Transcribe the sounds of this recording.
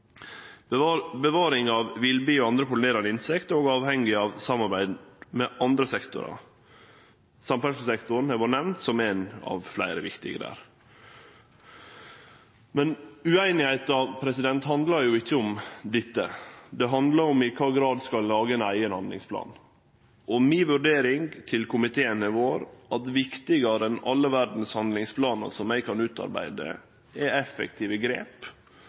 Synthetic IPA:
bəʋɑːɾɪŋɑʋʋɪlbiːoɑnd̪ɾəkʊlɪneːɾɑnəɪnsɛkt̪oːɡɑːʋhɛŋɡɪɑʋsɑmɑɾbæɪd̪mɛʔɑnd̪ɾəsɛkt̪ʊ̰ɾɑ̰ | sɑmpɛsəsɛkt̪ʊɾn̩hɛʋɔnɛʋnt̪sɔmenɑ̰ːʋflæ̰ɪɾəʋɪkt̪ɪ̰ɡə̰d̪æ̰ːɾ | mɛnʉæɪnɪhæɪt̪ɑpʰɾɛsɪd̪ɛnt̪hɑnd̪lɑɾjʊɪçːəʊmd̪ɪt̪ːəd̪ɛɦɑnd̪lɑɾɔmɪkʰɑːɡɾɑːd̪skɑlːɑːɡəɛnæɪənhɑnd̪lɪ̰ŋspʰlɑ̰ːn | ʔɔmiːʋʉɾɖeːɾɪŋt̪ʰɪlkʰʊmɪt̪ʰeːənəʋoːɾʔɑt̪ʋɪkt̪ɪɡɑɾəɛnɑlːəʋæɾd̪n̩shɑnd̪lɪŋspʰlɑːnə̰ɾsɔmæɪkʰɑnʉːt̪ɑ̰ɾbæ̰ɪd̪ə̰ | ɛɛfə̰k̚t̪ʰiːʋəɡɾḛːp

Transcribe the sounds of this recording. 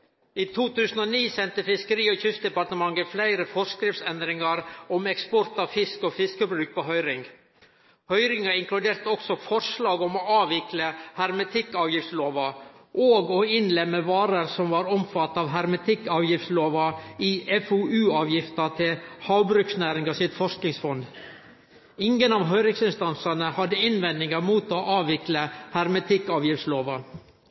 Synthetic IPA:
iːt̪ʰuːt̪ʉːsənɔːniːsɛnt̪əfɪskəɾiːɔːçʏst̪̚d̪ɛpɑʈ̪əmɑŋːəflæɪɾəfɔskɾɪft̪sɛnd̪ɾɪŋɑɾɔmɛkspɔɾt̪ɑːʋfɪskoːfɪskəbɾʉːk̚pʰoːɦœʏɾɪŋ | hœʏɾɪŋɑɪŋklʉd̪eːɾt̪əɔksɔfɔʂlɑːɡɔmɔːɑːʋɪkləhɑɾmɛt̪ʰɪkːɑːʋjɪft̪sloːʋɑʔoːɡoɪnlɛmːəʋɑːɾəɾsɔmʋɑːɾɔmfɑt̪ːɑːʋɦɑɾmɛt̪ʰɪkːɑːʋjɪft̪sloːʋɑiːʔɛfuːʔʉːɑːʋjɪft̪ɑt̪ʰɪlhɑʊbɾʉksnæːɾɪŋɡɑsɪt̪fɔʂknɪŋsfɔnd̪ | ɪŋɡənɑːʋɦœʏɾɪŋsɪnst̪ɑnsɑnəhɑd̪ːəɪnʋɛnd̪ɪŋəɾmuːt̪oːʔɑːʋɪkləhɑɾmɛt̪ʰɪkɑːʋjɪft̪sloːʋɑ

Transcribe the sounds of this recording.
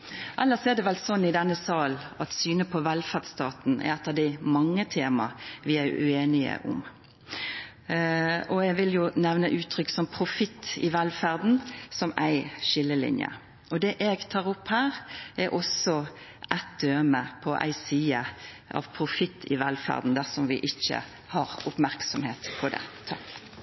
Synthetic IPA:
ʔɑlːəsɔɛd̪ɛʋɛlsɔnːɪd̪ɛnːəsɑːlɑt̪syːnəpʰɔʋɛlfæʁd̪st̪ɑːt̪n̩ɛ̰ɛt̪ːəd̪ɪɪmɑŋːət̪ʰeːmɑ̰ʋɪæɪʔʉ̰eːnɪə̰ʔʊ̰m | ʔɔɛɡʋɪljʊnɛʋnəʔʉːt̪ʰːɾʏkːsɔmpʰɾʊfɪt̪ʰːɪ̰ʋɛlfæʁd̪n̩sɔmæɪʃɪlːəlɪ̰njə̰ | ɔd̪ɛʔɛɡt̪ʰɑːʁʊpːhæːɾɛʔɔsɔ | ʔæt̪̚d̪̥øːməpʰɔʔæ̰ɪsiːə | ʔɑ̰ʋpʰɾʊfɪt̪ʰːɪʋælfæ̰ʁd̪n̩d̪æsɔmʋɪʔɪçːə̰ | hɑʁʊpmæʁksɔmheːt̪pʰɔd̪ɛ̰t̪ʰɑk

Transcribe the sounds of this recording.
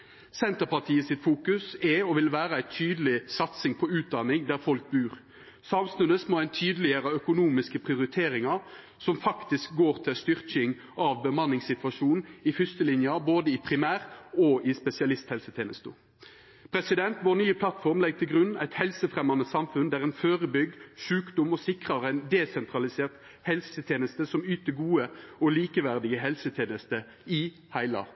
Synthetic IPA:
sɛnt̪əʁpɑʁt̪ʰiːəsɪt̪fuːkʉsɛɔʋɪlʋæːɾəæɪt̪ʰyːd̪əlɪsɑt̪sɪŋpʰɔʉːt̪̚d̪ɑnɪŋd̪æɾfɔlk̚bʉːʁ | sɑmsnʉnəsmoːæɪnt̪ʰyːd̪əlɪəɾəœkʊnuːmɪskəpʰʁɪʊɾɪt̪ʰeːɾɪŋɑ | sɔmfɑkt̪ɪsk̚ɡoːʁt̪ʰɪlst̪ʏʁkɪŋ | ʔɑʋbəmɑnːɪŋsɪt̪ʋɑʂuːnnɪfʏst̪əlɪnjɑboːd̪əɪpʰʁɪmæːʁɔɪspɛsɪɑlɪst̪hɛlsət̪ʰeːnəst̪ṵː | pʰɾɛsɪd̪ɛnt̪ʋoːnyːəpʰlɑt̪fɔʁmlɛɡ̚t̪ʰɪlɡʁʉnːæɪt̪hɛlsəfʁɛmɑnəsɑmfʉnd̪æʁɛɪnføːʁəbʏɡ̚d̪ʃʉːkd̪ʊmɔsɪkʁɑʁɛɪnd̪ɛsɛnt̪ʰʁɑlɪseːʁt̪ | hɛlsət̪ʰjeːnəst̪əsɔmyːt̪əɡuːəɔliːkəʋæʁd̪ɪɡəɦɛlsət̪ʰjeːnəst̪ə | ɪ | hæɪlɑ̰

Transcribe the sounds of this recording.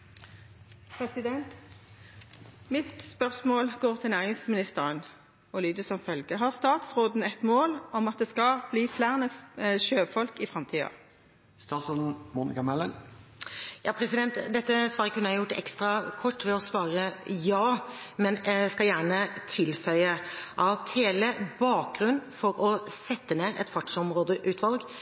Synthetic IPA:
pʰʁɛsɪd̪ɛnt̪ | mɪt̪spœʁsmoːlɡoːʁt̪ʰɪlnæːʁɪŋsmɪnɪst̪əʁən | ɔlyːd̪əsɔmfœlɡəɦɑʁst̪ɑːt̪sʁoːd̪n̩ɛt̪moːlɔmɑt̪̚d̪ɛːskɑb̥liːflæːʁənəʃøːfɔlkɪfʁɑmt̪ʰiːɑ̰ | st̪ɑːt̪sɔd̪n̩muːnɪkɑmɛlən | jɑːpʰɾɛsɪd̪ɛnt̪d̪ɛt̪ːəsʋɑːɾəkʉnːəæɪjʊʈːɛ̰kst̪ɾɑkʰɔʈːʋɛɔsʋɑːɾəjɑːmɛnɛskɑljæːɳət̪ʰɪlfœʏəʔɑt̪heːləbɑːk̚ɡɾʉnːfɔɾɔsɛt̪ːəneːɾɛ̰t̪fɑʈʂɔmɾoːd̪əʔʉːt̪ʰʋɑlɡ

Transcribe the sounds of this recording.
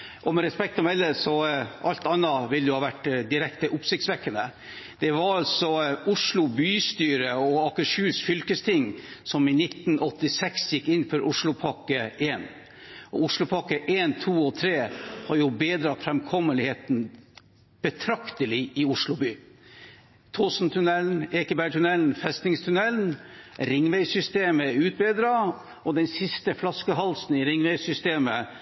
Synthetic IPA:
ʔɔmɛɾɛspɛk̚t̪ɔmɛlːəsɔɑlt̪ɑnːɑʋɪld̪ʊhɑːʋæʈːd̪ɪɾɛkt̪əʔʊpsɪk̚t̪sʋɛkːənə | d̪̥ɛʋɑɾɑlsɔʊʂlʊbyːst̪yːɾəɔɑkəʂʉːsfʏlkəst̪ʰɪŋːsɔmɪnɪt̪ːnʔɔt̪ːɪsɛksjɪkːɪnːfɔɾʔʊʂɭʊpʰɑkəeːn | ʔɔʊʂlʊpʰɑkəʔeːnt̪ʰuːɔt̪ʰɾeːhɑɾjʊbeːd̪ɾɑt̪fɾɛmkʰɔmːəlɪheːt̪n | b̥ət̪ʰɾɑkt̪əlɪʔɪʊʂɭʊbyː | t̪ʰoːsn̩t̪ʰʉnɛln̩eːkəbæʈʰʉnɛln̩fɛst̪nɪŋst̪ʰʉnɛlnɾɪŋːʋæɪsʏst̪eːməʉːt̪̚bɛd̪ɾɑ | ɔd̪ɛnsɪst̪əflɑskəɦɑlsn̩ɪɾɪŋʋɛɪsʏst̪eːmə

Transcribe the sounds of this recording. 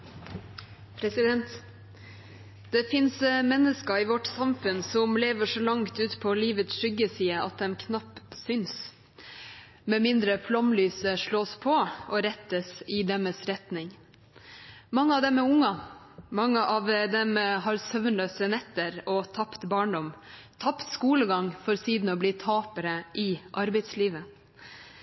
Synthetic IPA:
pʰɾɛsɪd̪ɛnt̪ | d̪̥ɛfɪnsmɛnːəskəɪʋɔʈsɑmfʉnsɔmleːʋəʂɔlɑŋt̪ʉːt̪pʰoliːʋət̪sʂʏɡəsiːəɑ̰t̪̚d̪ɛmkʰnɑpːsʏns | mɛmɪnd̪ɾəflɔmlyːsəʂɭoːspʰɔɔɾɛt̪ːəsɪd̪ɛməsɾɛt̪nɪŋ | mɑŋːəɑʋd̪ɛmɛʊŋːɑ | mɑŋːəʔɑʋd̪ɛmɦɑɾsœʋnløːsənɛt̪ːəɾɔt̪ʰɑpt̪bɑːɳɖɔm | t̪ʰɑpt̪skuːləɡɑŋfɔɾsiːd̪n̩ɔbliːt̪ʰɑːpəɾəʔɪʔɑɾbɛɪd̪sliːʋə

